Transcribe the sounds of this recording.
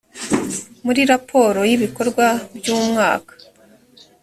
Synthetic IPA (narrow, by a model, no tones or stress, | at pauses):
muɾiɾapʰo̞ːɾo̞jiβiko̞ɾɡwabjuːmŋa̰ːkḁ